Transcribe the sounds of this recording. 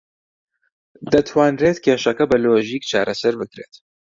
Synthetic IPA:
d̪ɐt̪ʰwaːnreːt̪kʰʲeːʃɐkɐbɐloʒiːkt͡ʃʰaːɾʔɐsɐɾbɨkɾḛːt̪

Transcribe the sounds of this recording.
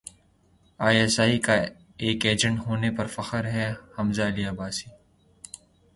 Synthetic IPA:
aːjɛsaːika | eːkeːd͡ʒə̃ɳʈɦoːnepɐɾfɐxəɾɦɛhɐmzaɐliaːbaːsiː

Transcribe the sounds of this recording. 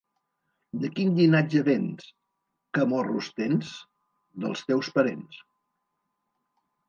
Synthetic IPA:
d̪əkinʎinad͡ʒəβens | kəmɔrust̪ens | d̪əlˠst̪ɛwspəɾḛns

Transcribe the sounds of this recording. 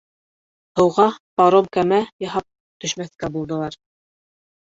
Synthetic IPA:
hɤ̆wʁɑpɑɾomkæmæjɑɦɑp̚ | t̪ɵ̆ʃmæθkæbulˠd̪ɤ̆lˠɑɾ

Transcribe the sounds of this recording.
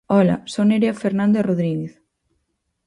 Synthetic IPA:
ɔlɐ̰soneɾeafeɾnãnd̪oroðɾiɣeθ

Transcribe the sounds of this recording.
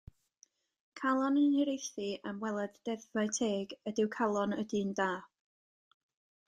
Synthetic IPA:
kʰalˠɔnəniɾejθɨəmwɛlˠɛd̥ːɛðvaɨtʰeːɡədɪwkʰalˠɔnədindaː

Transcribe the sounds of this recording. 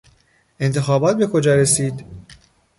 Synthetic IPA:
e̞nt̪ʰe̞xɒːbɒːt̪̚be̞kʰod͡ʒɒːɾe̞siːd̪

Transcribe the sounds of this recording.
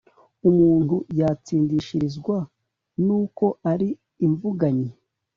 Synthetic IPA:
umuːn̥hujat͡siːndiʃiɾizɡwa | nuːko̞ʔaɾiː | ɱvuɡaɲe

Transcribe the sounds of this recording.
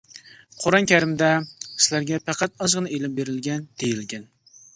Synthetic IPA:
qʰoɾɑnkʲʰæɾɪmd̪ɛsɪlæɾɡʲɛpʰæqʰɑt̪ɑzʁɨnɨelɪmbeɾɪlɡʲɛnd̪̥ejilɡʲɛn

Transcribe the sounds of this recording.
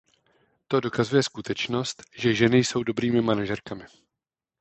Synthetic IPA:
t̪o̞do̞kazujɛskut̪ɛt͡ʃno̞st̪ʒɛʒɛnɪjso̞wdo̞bɾiːmɪmanaʒɛɾkamɪ

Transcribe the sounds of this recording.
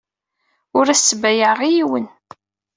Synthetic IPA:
ʊɾæsːəbæjəʁijiwən

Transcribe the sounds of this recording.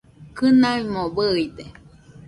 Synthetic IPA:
kɨnaimobəid̪e

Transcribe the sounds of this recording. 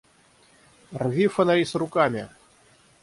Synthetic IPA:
rvʲifɐnalʲisɾʊkamʲi

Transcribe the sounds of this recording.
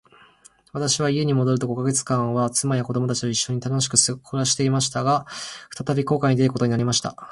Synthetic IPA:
βat̪aɕiβaie̞ɲ̟imod̪o̞ɾɯt̪o̞ɡo̞kaɡe̞t͡sɨ̥kãɰ̃βat͡sɨmajako̞d̪o̞mo̞t̪at͡ɕi̥t̪oiɕːo̞ɲ̟it̪ano̞ɕi̥kɯ̟skʰoɾaɕi̥t̪e̞imaɕi̥t̪aɡaɸɯ̥t̪at̪abʲiko̞ːkaɲ̟id̪eɾɯ̟ko̞t̪o̞ɲinaɾʲimaɕi̥t̪a̰

